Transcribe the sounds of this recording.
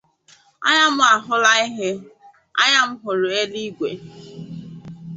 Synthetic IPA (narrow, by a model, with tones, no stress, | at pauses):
a̰˦ɲa˦mʊ˦a˨ɦʊ˦la˦i˦ɦe˦ | a̰˦ɲa˦m̩˦ɦʊ˨ɾʊ˨e˦li˦ɡʷḛ˨